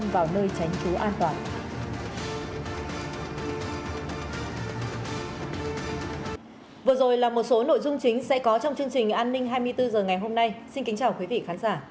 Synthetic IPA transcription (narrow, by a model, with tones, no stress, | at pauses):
mvaː˨˩wnəː˧jt͡ɕa˨˦jŋ̟t͡ɕu˨˦ʔaː˧nt̪waː˨˩n | vɨ˨˩əzo˨˩jlaː˨˩mo˨˩t̚so˨˦no̰˧˨jzʊ˧ŋ͡mt͡ɕï˨˦ŋ̟sɛ̰˧˥kɔ˨˦t͡ɕɔ˧wŋ͡mt͡ɕɨ˧əŋt͡ɕï˨˩ŋ̟ʔaː˧nːï˧ŋ̟ɦaː˧jmɨ˧əjt̪ɨ˧zəː˨˩ŋa˨˩jɦo˧mna˧jsi˧nkï˨˦ŋt͡ɕaː˨˩wkwi˨˦vḭ˧˨xaː˨˦nzaː˧˩